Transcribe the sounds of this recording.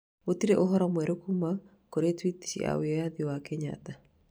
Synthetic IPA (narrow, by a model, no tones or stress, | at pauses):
otiɾeʔoɦɔɾɔmwɛɾokuma | koɾetwiti̥ʃḭa̰weɔjaðiwakɛɲa̰ta